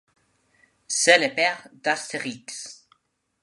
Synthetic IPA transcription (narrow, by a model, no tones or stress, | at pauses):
sɛlepɛʁd̪ast̪eʁiks